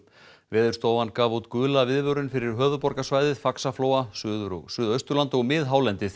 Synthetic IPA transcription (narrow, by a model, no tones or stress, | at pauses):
vɛːðʏ̥st̪oːwvankaːvut̪kʏːlavɪðvœɾʏnfɪɾɪɾ̥ɦœːvʏpɔɾkasvaːjðɪðfaksafloːwasʏsʏːðœɥst̪ʏɾlant̪ɔɣmɪðɦaːwlɛnt̪ɪθ